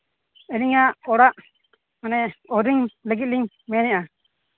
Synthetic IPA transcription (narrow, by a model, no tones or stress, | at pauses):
ɛliŋaʔɔɽaʔ | manɛɔɾiŋlɛɡit̪̚liŋ | mɛnɛʔa